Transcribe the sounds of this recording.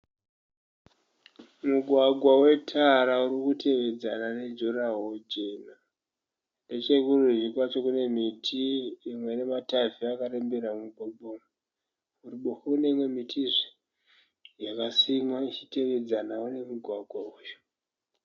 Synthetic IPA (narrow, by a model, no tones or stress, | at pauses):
muɡʱwaɡʱwawe̞tʰaɾauɾikute̞ʋe̞d͡zanane̞d͡ʒoɾaɦod͡ʒe̞ːna | nde̞t͡ʃe̞kureʐikwat͡ʃo̞kune̞mitʰiimwe̞nemataviakaɾembeɾamuɓoɓom | uriɓoxne̞imwe̞mitʰiʐ | jakasimwait͡ʃi̥te̞ʋe̞d͡zanaune̞muɡʱwaɡʱwauːjo